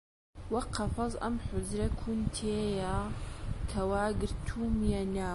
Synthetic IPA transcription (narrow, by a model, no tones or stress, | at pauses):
wɑqʰːɑfɑzˤʔa̰mħʊzɾakʰunt̪ʰeːja | kʰawaːɡəɾt̪ʰuːmjanaː